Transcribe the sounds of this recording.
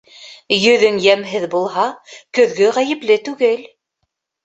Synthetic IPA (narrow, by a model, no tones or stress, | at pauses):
jɵ̆ðɵŋjæmɦɘðbulˠɦɑkɵ̆ðɡɵʁæjɘ̆plɘt̪ʉɡɘl